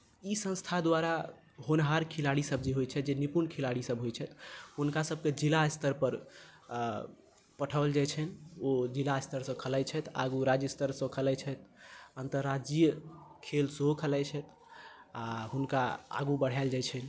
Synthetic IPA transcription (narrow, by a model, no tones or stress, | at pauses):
isə̃nst̪ʰad̪waɾa | ɦonɦaɾkʰilaɽisəb̚d͡ʒeɦojt͡ʃʰɛd͡ʒenipunkʰelaɽisəbɦojt͡ʃʰɛt̪ɦunkasəb̚ʱked͡ʒilast̪əɾpəɾ | pəʈʰəbld͡ʒajt͡ʃʰɛnod͡ʒilast̪əɾsə̃kʰəlɛjt͡ʃʰɛt̪a̰ɡuɾad͡ʒəst̪əɾsə̃kʰəlɛjt͡ʃʰɛt̪̚ənt̪əɾːad͡ʒijəkʰelsɦokʰəlat͡ʃʰɛt̪ʰ | aɦunkaa̰ɡubəɽ̤ald͡ʒajt͡ʃʰɛn